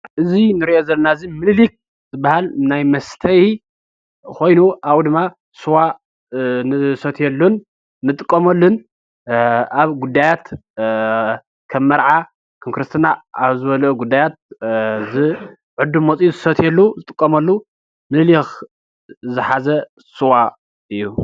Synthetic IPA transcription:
ʔɨzinɨɾiʔozɐlɐnazimɨllik̚ | z̥ɨbahalnajmɐst̪ʰɐj | kʰo̞jnuʔawd̪ɨmːa | suwa | nɨsɐt̪ʰjɛlːunː | ɨt̪ʼɨkʼːɐmɐlːun | aβɡud̪ːajat̪ | kʰɐmːɐɾʕa | kʰɨmkʰɾɨst̪ʰɨnaaβzɨβɐlʔuɡud̪ːajat̪̚zɨ | ʕʊd̪umːot͡sʼijzɨsɐt̪ʰjɛlːuzɨt̪ʼɨkʼːɐmɐlːu | mɨllix | zɨħazɐ | suwa | ɨjːu

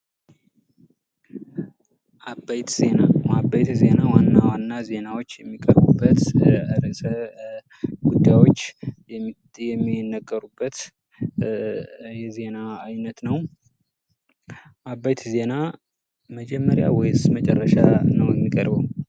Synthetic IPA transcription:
ʔabajt̪zenaabajt̪ze̞nawanːawanːaze̞nawo̞t͡ʃːjɛmːikʼəɾbubːət̪əɾəsə | ɡud̪ːajwo̞t͡ʃːjɛ | jɛmːinːəɡʼːəɾubːət̪ | jɛze̞naːjnət̪nəw | ʔabajt̪ze̞na | məd͡ʒɛmːəɾja̰wɔjsmət͡ʃʼɛrːəʃanəwjɛmːikʼəɾbəw

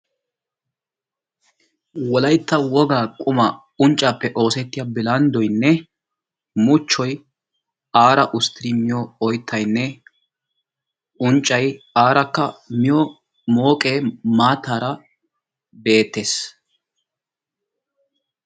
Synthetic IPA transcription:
wɔlɐjt̪ːɐwɔɡaːkʼʊmɐ | ʊnt͡ʃʼːaːpːɛʔo̞ːsɛt̪ːɪjaːbɪlɐnd̪ɔjnːɛ | mʊt͡ʃːɔj | aːɾɐʔʊst̪ɪɾimɪjɔɔjt̪ʰːɐjnːɛ | ʊnt͡ʃʼːɐjaːɾɐkːɐmɪjɔ | mo̞ːkʼeːmaːt̪ːaːɾɐ | be̞ːt̪ːeːs

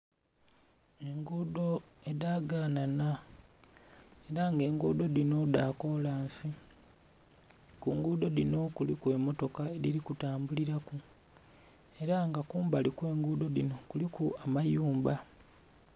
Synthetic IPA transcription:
e̞ŋɡudo̞ | e̞daːɡaːnana | e̞ɾaŋɡe̞ːŋɡuːdo̞dino̞daːko̞laːɱsi | kuŋɡuːdo̞dino̞kulikwe̞ːmo̞to̞kae̞diɾikutaːmbuliɾaku | e̞ɾaŋɡakuːmbalikwe̞ːŋɡuːdo̞dino̞kulikuamajuːmba

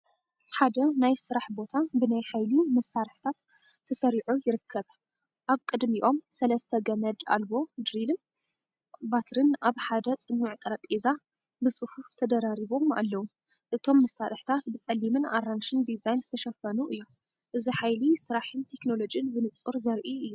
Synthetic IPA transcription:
ħad̪ɐnajsɨɾaħbo̞t̪ʰabɨnajħajlimɐsaɾɨħt̪ʰat̪ʰː | ɐsɐɾiʕujɪɾɨkʰːɐβ | ʔaβkʼɨd̪miʔo̞msɐlɐst̪ʰɐɡɐmɐd͡ʒ̪a̰lbo̞d̪ɾilɨm | bat̪ʰɾɨnʔaβħad̪ɐt͡sʼɨnːuʕt̪ʼɨɾɐpʼeza | bɨsʼɨfuft̪ʰɐd̪ɐɾaɾiβo̞ma̰lːɐwu | ʔɨt̪ʰo̞mːɐsaɾɨħt̪ʰat̪bɨt͡sʼɐlːimɨnaɾanʃɨnd̪izajnzɨt̪ʰɐʃɐfɐnuʔɨjːu | ʔɨziħajlisɨɾaħɨnt̪ʰe̞kno̞lo̞d͡ʒɨnbɨnɨt͡sʼuɾzɐɾʔiɨjːu

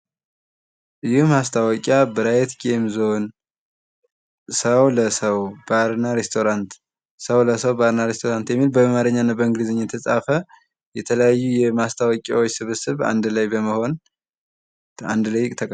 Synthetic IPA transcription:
ʔɨjɪhmast̪ʰawɔkʼabəɾajɛt̪ɡemzo̞n | səwləsəwbaɾnaɾest̪ʰoɾant̪ | səwləsəwbaɾnaɾest̪ʰoɾant̪jɛmːilbəmamaɾəɲːanːabəɨŋɡlizɨɲːɛt̪ʰəsʼafə | jɛt̪ʰələjajːujɛmast̪ʰawɔkʼa̰wɔt͡ʃːsɨβɨsɨβa̰nd̪lajbəməho̞n | a̰nd̪ləjːɪkʼt̪ʰəkʼ

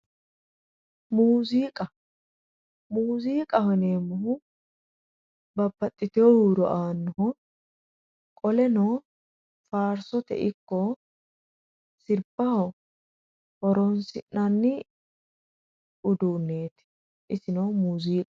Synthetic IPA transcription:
muːziːkʼɐ | muːziːkʼɐhɔneːmːʊhʊ | bɐbːɐt̪ʼːɪt̪ɪjohuːɾɔ̰ʔaːnːɔhɔ | kʼɔlɛnoː | faːɾsɔt̪ɛ̰ʔɪkːɔ | sɪɾbɐhɔ | hɔɾoːnsɪnnɐnːɪ | ʊd̪uːnːe̞ːt̪ɪ̥ | ʔɪsɪnowmuːziːkʼɐ̥

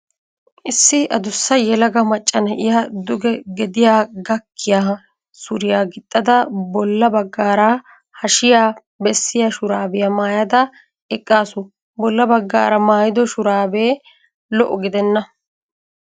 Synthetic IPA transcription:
ʔɪsːɪʔɐd̪ʊsːɐjɛlɐɡɐmɐt͡ʃʼːɐnɐʔɪjaːd̪ʊɡɛɡɛd̪ɪjaːɡɐkʰːɪjaː | sʊɾɪjaːɡɪt̪ʼːɐd̪ɐbɔlːɐbɐɡːaːɾa | hɐʃɪjaː | bɛsːɪjaʃʊɾaːbɪjɐmaːjɐd̪ɐ | ɛkʼːaːsʊ | bɔlːɐbɐɡːa̰ːɾɐmaːjɪd̪ɔʃʊɾaːbeː | lɔʔːɔɡɪd̪ɛnːɐ

